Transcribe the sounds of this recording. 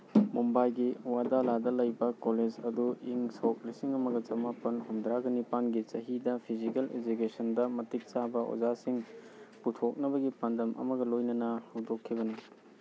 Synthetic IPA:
mumbajɡiwadaladɐlɐjbɐkoled͡ʒɐduiŋsok̚lisiŋɐmɐɡɐt͡ʃɐmapɐnhomd̪ɾaɡɐnipanɡit͡ʃɐɦidɐpʰizikelḛd͡ʒukesɐndɐmɐtik̚t͡ʃabɐo̰d͡ʒasiŋputʰok̚nɐbɐɡipandɐmʔɐ̰mɐɡɐlojnɐnɐhɐwdokʰːibɐni

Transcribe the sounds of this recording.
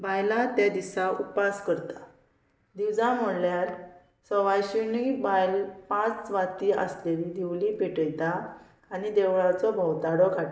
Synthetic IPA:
bʱajlat̪jad̪isaupaskəɾt̪ḁ | d̪iwd͡zãm̤əɽljaɾ | sɔʋajɕinibajlpãt͡sʋat̪iʔə̰sleɾid̪ʱiʋlipeʈəjt̪aː | nid̪eʋɭat͡sɔbʱəwt̪aɽɔkʰaʈ

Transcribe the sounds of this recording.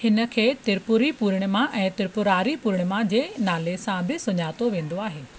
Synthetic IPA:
hɪnə̆kʰeːt̪ɪɾpʊɾipuːɾɪɽ̃̆mãʔɛ̃ːt̪ɪɾpʊɾaːɾipuːɾɪɽ̃̆mãd͡ʑeːnaːlesãbɪsʊɲaːt̪oʋẽːnd̪oaːɦeː

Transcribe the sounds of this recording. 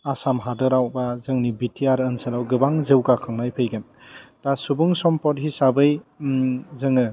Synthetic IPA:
asamɦadɯɾawbazɯŋnibitʰiaɾɯnsɯlawɡɯbaŋzɯwɡakʰaŋnajpʰɯjɡɯn | dasubuŋsɔmpɔthisabɯj | zɯŋɯ

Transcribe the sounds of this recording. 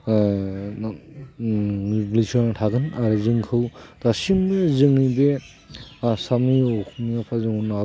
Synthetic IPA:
blisɔnatʰaɡɯnaɾɯzɯŋkʰɯwd̥asimbezɯŋibe | samiokumiapʰazɯŋuna

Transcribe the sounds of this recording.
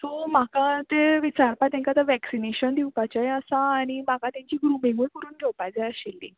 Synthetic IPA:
t̪om̤akat̪eʋit͡ɕaɾpat̪ãŋkat̪əʋɛksineɕənd̪ʱiwpat͡ɕaeəsãːɽ̃imakat̪jãɲt͡ɕiːɡɾumẽŋɡulpəɾuːnɡʰʱewpajd͡zaəɕelːḭ

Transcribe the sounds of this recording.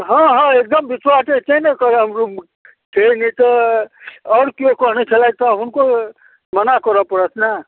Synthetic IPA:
ɦɔ̃ɦʌ̃ek̚d̪əmbiswaset͡ʃənekɔɾɦəmɾum | kʰenit̪ɔː | ɾkijokɔɦnet͡ʃʰelajt̪ɔɦunko | mənakɔɾəpəɽətʰna

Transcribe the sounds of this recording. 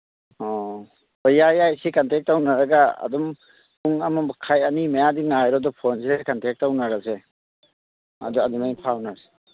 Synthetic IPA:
ɔ | ɔjajajsikantɛk̚tawnaɾaɡaa̰dɔm | uŋamabakʰajanimajadiŋnajɾɔdɔpʰɔnsekantɛk̚tawnaɾase | a̰dɔadɔmajpʰawnaɾse̥

